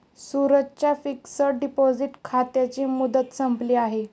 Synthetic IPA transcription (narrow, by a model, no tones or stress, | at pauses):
suɾəd͡ʑt͡ɕjafiksəɾɖipod͡ziʈkʰat̪jat͡ɕiːmud̪ət̪səmpliːaɦe